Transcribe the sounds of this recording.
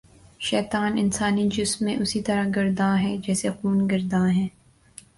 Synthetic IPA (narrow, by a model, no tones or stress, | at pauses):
ʃɛːt̪aːnɪnsaːnid͡ʒʊsmːẽʔʊsit̪ɐɾaɡɐɾd̪ãːɦɛːd͡ʒɛːsexuːnɡɐɾd̪ãːɦɛ̃ː